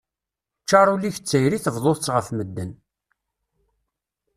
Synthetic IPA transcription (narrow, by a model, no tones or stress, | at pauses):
t͡ʃːɑɾˤuliçət͡sːəjɾiθəvðˤoθt͡sʁəfməd̪ːən